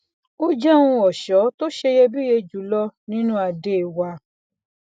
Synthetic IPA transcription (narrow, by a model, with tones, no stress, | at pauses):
o˦d͡ʒɛ˦ũ˧ɔ˨ʃɔ˨˦to˦ʃe˧jɛ˧bi˦je˧d͡ʒu˨˦lɔ˦nĩ˦nũ˦a˨de˦˨wa˧˦